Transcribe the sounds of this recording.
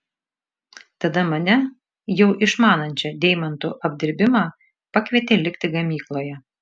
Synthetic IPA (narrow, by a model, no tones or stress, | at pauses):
t̪ɐd̪ɐmɐnʲɛ | jɛʊʔɪʃmɑːnɐnʲt͡ʃʲɛd̪ʲɛɪmɐnt̪ṵːʔɐbʲd̪ʲɪɾʲbʲɪmɑː | pɐkʋʲiɛt̪ʲeːlʲɪkt̪ʲɪɡɐmʲiːklˠoːjɛ